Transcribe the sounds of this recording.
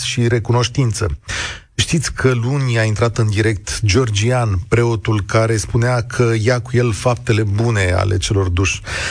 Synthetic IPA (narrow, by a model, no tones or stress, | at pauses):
ʃiɾe̞kuno̞ʃt̪int̪sə̰ | ʃt̪it̪sʲkʰəlunʲaint̪ɾat̪ɨnd̪iɾe̞k̚t̪d͡ʒo̞rd͡ʒianpɾe̞o̞t̪ulkaɾe̞spuneakʰəjakuje̞lfap̚t̪e̞le̞bune̞a̰le̞̰t͡ʃe̞lo̞rd̪uʃʲ